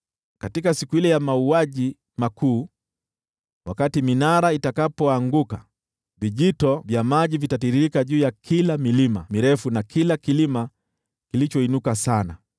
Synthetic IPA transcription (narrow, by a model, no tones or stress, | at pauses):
katikasikuilɛjamauaʄi | makʰuː | wakatiminaɾaitakapɔaŋɡuka | viʄitɔvjamaʄivitatiɾiɾikaʄuːjakʰilamilima̰miɾɛfunakʰilakilima | kilit͡ʃɔinukasana